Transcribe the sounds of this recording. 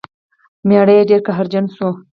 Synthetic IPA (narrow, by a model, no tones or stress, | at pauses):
meɽejeɖeɾkaɦaɾd͡ʒansu